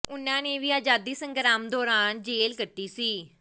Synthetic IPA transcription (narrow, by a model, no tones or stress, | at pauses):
ʊnãːneːʋiːaːd͡ʒaːd̪iːsəŋɡɾaːmd̪ɔːɾaːnd͡ʒeːlkəʈːiːsiː